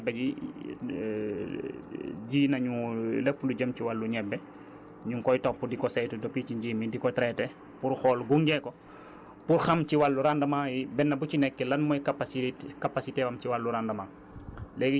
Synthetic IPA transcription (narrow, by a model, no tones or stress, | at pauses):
bːɛɟi | ɟiːnɐɲulɛpːuluɟɐmciwalːuɲɛbːɛ | ɲuŋkɔjtɔpːudikɔsɛjtudɔpit͡ʃiɲɟiːmidikɔtɾɛtɛ | puɾxɔlɡuŋɡɛkɔ | puɾxɐmt͡ʃiwalːuɾandɐmajibɛnːɐbucinɛkːɛlɐnmɔjkapaskapasitewɐmciwalːuɾandɐma | lɛɡi